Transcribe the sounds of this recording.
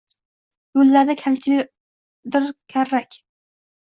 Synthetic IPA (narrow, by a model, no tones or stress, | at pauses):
bølːæɾd̪ɛkʲʰhɛmt͡ʃʰilɪ | d̪ɪɾkʲʰæɾːɛkʲ